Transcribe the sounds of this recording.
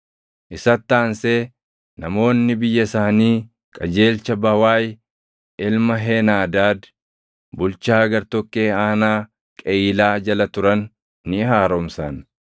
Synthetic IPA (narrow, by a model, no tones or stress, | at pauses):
ʔɪsɐt̪ːaːnseː | nɐmo̞ːnːɪbɪjːɐsaːniː | kʼɐd͡ʒe̞ːlt͡ʃːɐbɐwaːj | ɪlmɐɦeːnaːd̪aːd̪ | bʊlt͡ʃaːɡɐɾt̪ɔkːe̞ːaːnaː | kʼɛːlaːd͡ʒɐlɐt̪ʊɾɐnː | ɪhaːɾɔmsan